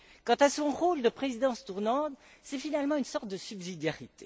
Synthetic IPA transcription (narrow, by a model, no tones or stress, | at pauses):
kɑ̃t̪asɔ̃ʁold̪əpχezid̪ɑ̃st̪uʁnɑ̃t̪sɛfinalmɑ̃ynsɔʁt̪̚d̪əsybzid̪jaʁit̪e